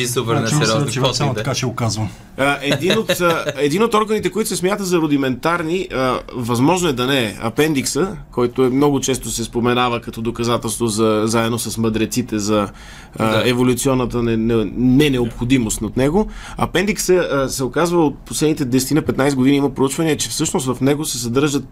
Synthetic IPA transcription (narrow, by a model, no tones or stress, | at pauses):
isupɛɾnɛɾɔsmot̪kat͡ʃɛokazvɐ | əʔɛd̪inot̪ɛd̪inot̪ɔɾɡənit̪ɛkoit̪ʊ̥sɛsmʲjat̪əzɐɾod̪imɛnt̪aɾniəvɐzmɔʒnoɛd̪ɐnɛɐ̰pɛnd̪iksəkɔjt̪oɛmnɔɡʊt͡ʃɛst̪osɛspomɛnavəkɐt̪ɔd̪okɐzat̪ɛlˠst̪vozɐzaɛd̪nosɐsməd̪ɾɛt̪sit̪ɛzɐ | ɛvolʲut̪siɔnːət̪ənɛnɛnɛnɛopxod̪imost̪nɐt̪nɛɡoɐpɛnd̪iksəsɛokazvəot̪̚poslɛd̪nit̪ɛd̪ɛsɛ̥t̪inɐpɛt̪najsɡʊd̪iniimɐpɾout͡ʃvɐniɛt͡ʃɛfsɤʃnost̪vɐfnɛɡosɛsɐd̪ɤɾʒət̪̚